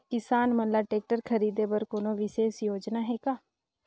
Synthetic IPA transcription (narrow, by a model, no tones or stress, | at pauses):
kɪsaːnmənlaːʈeːk̚ʈəɾkʰəɾiːd̪eːbəɾkoːnõːʋɪseːsjoːd͡ʒnaːɦeːɡaː